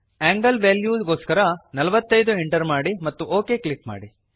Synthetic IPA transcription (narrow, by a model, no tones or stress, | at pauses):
aːŋɡɐlʋeːljuːɡoːskɐɾɐnɐlɐʋɐt̪ːɐjd̪uɦiɳʈɐɾmaːɽimɐt̪ːuʔoːkeːklikma̰ːɽi